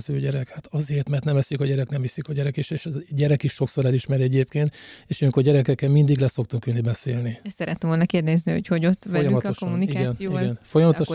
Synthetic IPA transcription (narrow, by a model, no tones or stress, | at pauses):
zøːɟɛɾɛkhat̪ɒzeːrt̪mɛrt̪nɛmɛsjykɒɟɛɾɛknɛmvisikɒɟɛɾɛkiʃeːʃɛɟɛɾɛkiʃʃo̞kso̞ɾɛliʃmɛɾɛɟeːp̚keːnt̪eːʃøːŋkorɟɛɾɛkɛkːɛlmind̪iɡlɛso̞k̚t̪uŋkynːibɛseːlniɛssɛɾɛt̪ːɛmvolnɒkeːrd̪ɛznihocho̞ɟo̞t̪fʋɛjɒymɒtk̪ʃkomːunikiɡɛnijoiɡɛnfojɒmɒt̪oʃ